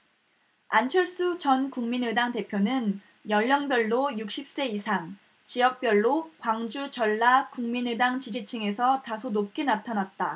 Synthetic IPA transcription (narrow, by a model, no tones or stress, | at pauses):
ant͡ɕʰʌɭs͈ut͡ɕʌnkuŋminɯdaŋte̞pʰjonɯn | jʌʎːʌŋbjʌɭːojuk̚ɕ͈ʰip̚s͈e̞isʰaŋ | t͡ɕijʌk̚p͈jʌɭːokwaŋd͡ʑut͡ɕʌɭːakuŋminɯdaŋt͡ɕid͡ʑit͡ɕʰɯŋe̞sʰʌtasʰonop̚k͈enatʰanat̚t͈a